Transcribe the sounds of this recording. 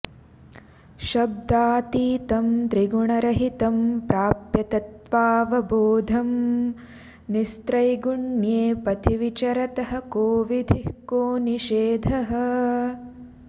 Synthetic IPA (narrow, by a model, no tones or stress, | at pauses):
ʃɐb̚d̪aːt̪iːt̪ɐmd̪ɾiɡuɳɐɾɐɦit̪ɐmpɾaːpjɐt̪ɐt̪ʋaːʋɐboːd̪ʱɐm | nist̪ɾɐjɡuɳjeːpɐt̪ʰiʋit͡ʃɐɾɐt̪ɐɦɐ̆koːʋid̪ʱihkoːniʃeːd̪ʱɐɦɐ